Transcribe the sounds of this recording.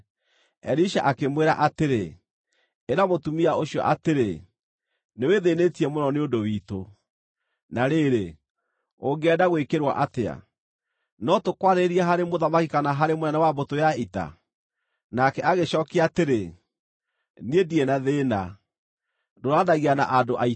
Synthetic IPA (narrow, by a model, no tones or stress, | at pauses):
ɛɾiʃa̰ʔakemweɾaʔateɾe | eɾamotumiaoɕiɔ̰ʔateɾe | neweðenetiɛmonɔneondowiːto | naɾeɾe | oŋɡeɛdaɣwekeɾwa̰ʔatea̰ | nɔtokwaɾeɾiaɦaɾemoðamakikanaɦaɾemonɛnawabotojaita̰ | nakɛʔaɣeʃɔːkeateɾe | niediɛnaðeːna | doɾadaɣiana̰ʔadoʔai